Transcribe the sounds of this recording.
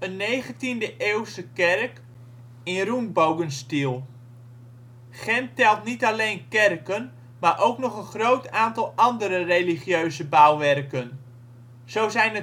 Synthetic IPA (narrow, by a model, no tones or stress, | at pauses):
ənːejχəntindəʔeːwstəkɛrk | ɪnrunbowɡənstilˠ | χɛntɛlˠtnitalejnkɛrkən | maːɹʔowknɔχənχrowtaːntɑlˠɑndəɾərejliχjøɥzəbawʋɛrkən | z̥owzɛjnə